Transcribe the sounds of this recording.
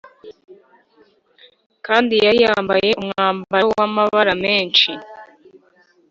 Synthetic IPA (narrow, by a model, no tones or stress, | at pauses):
kaːndijajaːmbaje̞ʔumŋaːmbbawamaβaɾameːnt͡ʃi